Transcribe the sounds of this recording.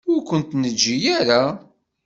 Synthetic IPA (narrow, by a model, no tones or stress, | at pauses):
ʊɾkʷːənt̪nəd͡ʒːijæɾa